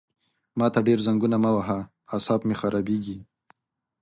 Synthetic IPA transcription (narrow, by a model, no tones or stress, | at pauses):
mɑt̪aɖeɾzaŋɡunamawaɦaː | sɑbmexaɾʔɑbeɡi